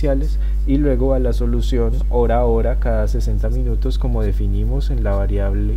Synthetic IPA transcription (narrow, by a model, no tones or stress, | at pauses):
jale̞s | ilwe̞ɣo̞alaso̞lusjo̞n | o̞ɾaoɾakaðase̞se̞nt̪amĩnut̪o̞sko̞mo̞ðe̞finimo̞se̞nlaβaɾjaβle